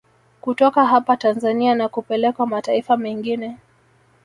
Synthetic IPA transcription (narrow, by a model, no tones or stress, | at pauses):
kutɔkaɦapatanzanianakupɛlɛkwamataifamɛŋɡinɛ